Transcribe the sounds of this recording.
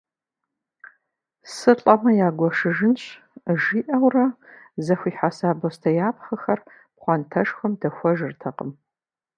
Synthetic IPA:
sɨɬʼɐmɐjaːɡʷɔʂɨʒɨnɕ | ʒiːʔɐwrɐzɐxʷiːħasaːbɐstʰɐjaːp̚χɐxɐr | pχʷɑntʰɐʂxʷɐmdɐxʷɔʒɨrtʰɐqəm

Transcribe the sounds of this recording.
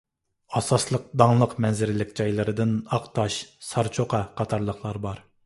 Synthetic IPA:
ɑsɑslˠəq̚d̪ɑŋlˠəqmɛnzɪɾɪlɪkʲd͡ʒɑjlˠɨɾɨd̪ɨnɑqt̪ʰɑʃsɑɾt͡ʃʰoqʰɑqʰɑt̪ʰɑɾlˠəχlˠɑɾbɑɾ

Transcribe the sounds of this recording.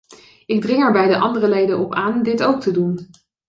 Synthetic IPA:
ɪɡ̚drɪŋɛɹbɛjdəʔɑndərəlejdənɔpaːndɪtowk̚tədun

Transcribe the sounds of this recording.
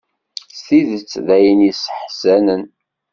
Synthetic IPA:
sθiðət͡sːðæjənisə̥ħsænən

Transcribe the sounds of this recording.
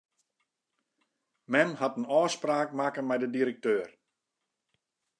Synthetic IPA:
mɛnhatənɔːspraːk̚makənmɛjdədiɾək̚tøːr

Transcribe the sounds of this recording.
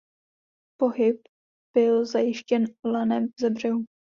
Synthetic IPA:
po̞ɦɪp | b̥ɪlzajɪʃcɛnlanɛmvzɛbr̝ɛɦu

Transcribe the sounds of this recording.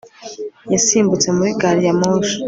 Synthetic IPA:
jasiːmbut͡se̞muɾiɡaːɾijamoːʃo̥

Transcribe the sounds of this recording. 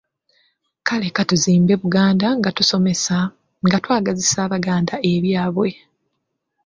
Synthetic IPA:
kale̞katuziːmbe̞βuɡaːndaŋɡatuso̞me̞sa | ŋɡatwaːɡazisaːβaɡaːndaʔe̞βjaːβwe̞

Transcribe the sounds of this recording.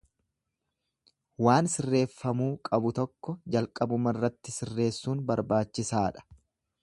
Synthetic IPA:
waːnsɪrːe̞ːfːɐmuːkʼɐbʊt̪ɔkːɔd͡ʒɐlkʼɐbʊmɐrːɐt̪ːɪsɪrːe̞ːsːuːnbɐɾbaːt͡ʃːɪsaːᶑɐ̥

